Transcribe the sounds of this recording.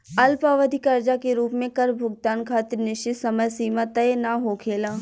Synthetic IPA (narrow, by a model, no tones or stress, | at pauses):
ɐlpaːʋəd̪ʱikɐɾd͡ʒakeɾuːpmẽkɐɾbʱʊɡ̚t̪aːnkʰaːt̪ɪɾnɪʃɪsɐməjsiːmat̪əjenaɦokʰeːlaː